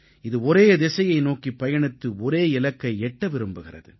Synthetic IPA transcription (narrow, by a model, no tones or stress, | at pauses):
ɪðɯɔɾeːd̪ɛsɐjɐɪnoːkipɐjɐɳɪt̪ːɯɔɾeːɪlɐkːɐɪɛʈːɐʋɪɾɯmbɯɣɪrɐ̰ðɯ̰